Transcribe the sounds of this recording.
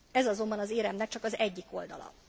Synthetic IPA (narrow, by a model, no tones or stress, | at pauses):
ɛzɒzo̞mbɒnɒzeːɾɛmnɛk̚t͡ʃɒkɒzɛɟːiko̞ld̪ɒ̰lɒ̰